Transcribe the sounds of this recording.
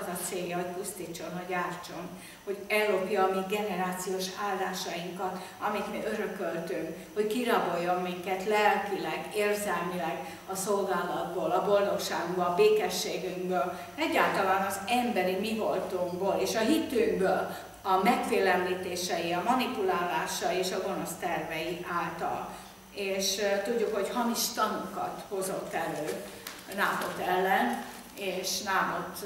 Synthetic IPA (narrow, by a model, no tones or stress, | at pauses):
zɒt̪seːjːɒɦo̞cpust̪iːt͡ʃːo̞nɦoɟaːrt͡ʃo̞n | ho̞ɟɛuɾoːpjɒmiɡɛnɛɾaːt̪sijoːʃaːld̪aːʃɒjiŋkɒt̪ɒmit̪miʔøɾøkølt̪yŋk | ho̞ckiɾɒbo̞jːo̞mːiŋkɛt̪lɛlkilɛɡeːrzɛlmilɛɡ | ɒso̞lɡaːlɒd̪̚boːlɒbo̞ld̪o̞kʃaːɡobolɒbeːkɛʃːeːɡyŋɡbøːl | ɛɟːaːlt̪ɒlaːnɒzɛmbɛɾimiɡolt̪oːŋboːleːʃɒɦit̪yːɡbøːl | ɒmɛkfeːlɛmliːt̪eːʃɛjiɒmɒnipulaːlːaːʃɒjieːʃɒɡo̞no̞st̪ɛrvɛjiʔaːlt̪ɒ̰l | eːʃt̪uɟːukho̞chɒmiʃt̪ɒnukɒ̰t̪ho̞zo̞t̪ːɛløː | naːmo̞t̪ːɛlːɛn | eːʃnaːmot̪